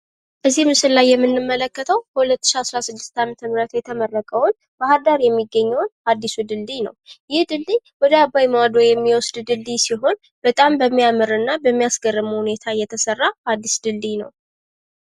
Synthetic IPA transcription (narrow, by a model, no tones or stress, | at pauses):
ʔɨzːihmɨsɨllajːɛmːɨnːɨmːələkːət̪ʰəwkəhulət̪ːɨʃiasɾasɨd̪ːɨ̥st̪amət̪ʰəmɨɾət̪jɛt̪ʰəmərːəkʼəwʊn | bəhad̪aɾjɛmːiɡːəɲːɛwnad̪ːisud̪ɨld̪inə̰wjɪhd̪ɨldiwɔd̪əabːajmawad̪ojɛmːiwɔsd̪d̪ɨlːisiɦo̞n | b̥ət̪ʼambəmːijamɨɾɨnːabəmːijasɡərːɨmhunet̪ʰajɛt̪ʰəsərːaad̪ːisd̪ɨldinə̰w